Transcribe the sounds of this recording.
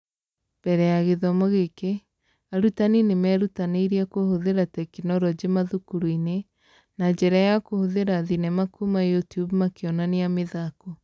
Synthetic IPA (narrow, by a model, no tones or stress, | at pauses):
b̥ɛɾɛjaɣeðɔmoɣeke | aɾutaninemɛːɾutaneiɾiakohoðeɾatɛkinɔɾɔd͡ʑemaðukuɾuine | nad͡ʒɛɾajakohoðeɾaðinɛmakumajutiubmakeɔnaneameðako